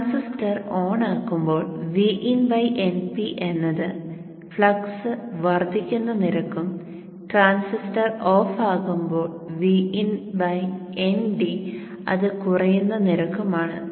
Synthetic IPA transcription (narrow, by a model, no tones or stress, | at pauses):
ansisʈɐroːɳaːkːumbo̞ːɭʋiːʔinbɐjʔenpiʔenːɐðɨ | fɭɐksɨʋɐrd̪ʱikʲːunːɐniɾɐkːum | ʈraːnsisʈɐro̞ːfaːɣumbo̞ːɭʋiinbɐjenɖi | ɐ̰ðɨkurɐjunːɐniɾɐkːumaːɳɨ